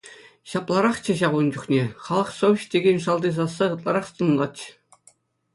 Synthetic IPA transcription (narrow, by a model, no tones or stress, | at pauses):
ɕɑplˠɑɾɑχt͡ɕɘ̆ɕɑʁund͡ʑuχnʲeχɑlˠɤ̆χsowʲɕtʲeɡʲenʲʂɑlˠd̪iz̬ɑsːɑʁɤ̆t̪lˠɑɾɑχt̪ɤ̆nlˠɑtɕɘ̥̆